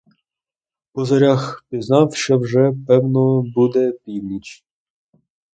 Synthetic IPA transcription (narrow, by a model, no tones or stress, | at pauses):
pɔzɐɾʲaxpʲiznɑwʃt͡ʃɔwʒɛpɛwnɔbud̪ɛpʲiwnʲit͡ʃ